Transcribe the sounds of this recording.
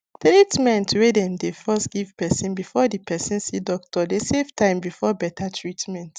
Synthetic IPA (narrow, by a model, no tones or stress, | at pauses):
tɹitmɛ̃ntʰuwedɛ̃mdefɛstɡ̥ivpɛsĩnbifɔdipʰɛsĩnsidɔk̚tʰɔdesevtʰãɪ̃mbifɔbɛtʰatʰɹitmɛ̃nt